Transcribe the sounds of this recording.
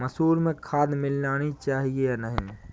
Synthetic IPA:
məsuːɾmẽkʰaːd̪mɪlnaːnit͡ʃaːɦiejanəɦĩ

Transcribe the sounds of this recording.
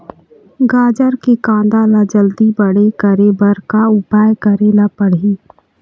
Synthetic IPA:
ɡaːd͡ʒəɾkekãːd̪aːlad͡ʒəld̪ibəɽekəɾebəɾkaʊpaːjkəɾeːlapəɽ̤iː

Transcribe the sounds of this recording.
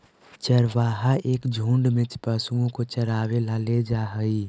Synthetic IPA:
t͡ʃəɾʋaːɦaʔeːkd͡ʒʱũːɳɖmẽt͡ʃpəsũɡõkot͡ʃəɾaːwelaled͡ʒaːɦəi

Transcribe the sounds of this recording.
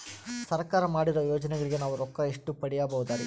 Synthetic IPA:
sɐɾkaːɾɐmaːɽiɾɐjoːd͡ʒɐnɛɡɐɭiɡe̞naːʋuɾɔkːɐeʂʈupɐɽɛjaːbɐʋud̪aːɾi

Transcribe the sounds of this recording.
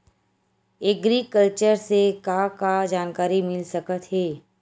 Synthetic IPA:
eɡɾikəlt͡ʃəɾsekakad͡ʒaːnkaːɾimɪlsɐkət̪ɦɛː

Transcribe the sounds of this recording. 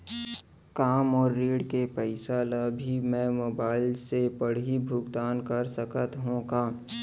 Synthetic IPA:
kaːmɔːɾːeːɽkepɛɪsaːlabʱimɛ̃moːbaːɪlsepɐɽ̤ibʱʊɡt̪aːnkəɾsəkət̪ɦõkaː

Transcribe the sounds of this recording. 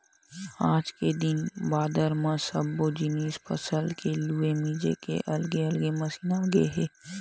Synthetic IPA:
aːd͡ʒked̪ɪnbaːd̪əɾmãsəbːod͡ʒɪniːspʰəsəlkeluemiːd͡ʒḛkḛʔɐlɡeəlɡeməsiːnaɡeɦɛː

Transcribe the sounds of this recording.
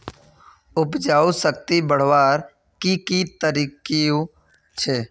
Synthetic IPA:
ʊpd͡ʒaːusək̚t̪ibəɽ̤ʋaːɾ | kikit̪əɾiːkio | t͡ʃʰeː

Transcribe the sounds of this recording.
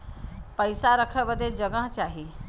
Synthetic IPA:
pəjsaɾəkʰəbəd̪ʱed͡ʒəɡə̃ɦt͡ʃaɦi

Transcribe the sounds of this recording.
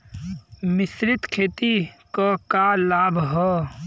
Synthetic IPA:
mɪsɾɪt̪kʰeːt̪ikokalaːbʱɦɛː

